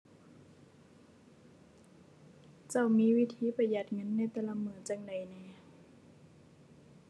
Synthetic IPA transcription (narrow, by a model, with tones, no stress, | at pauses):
t͡ɕa˧˩wmiː˧˥˨wi˦˧˥t̪ʰiː˧˥˨pa˧˩ja˨˩t̪̚ŋɤ˧˥˨nːa˧˥˩t̪ɛː˧˥˨la˧˥mɯː˧˩˨t͡ɕa˧˥˨ŋda˨˩jnɛː˧˩˨